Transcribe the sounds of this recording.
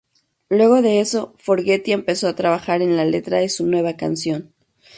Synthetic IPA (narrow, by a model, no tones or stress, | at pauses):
lwe̞ɣo̞ðe̞eso̞fo̞ɾɣe̞t̪ie̞mpe̞so̞at̪ɾaβaxaɾe̞nlale̞t̪ɾaðesunwe̞β̞akansjo̞n